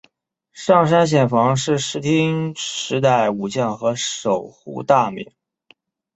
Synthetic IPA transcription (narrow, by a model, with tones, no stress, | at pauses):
ʂɑ˥˩ŋʂ̬a˥nɕ̬jɛ˨˩nfɑ˧˥ŋʂɻ̩˥˩ʂɻ̩˧˥t̪ʰi˥ŋʂɻ̩˧˥t̪̬a˥˩ɪu˨˩t͡ɕjɑ˥˩ŋxɤ˧˥ʂo˨˩ʊxṵ˥˧t̪a˥˩mḭ˨˧˥ŋ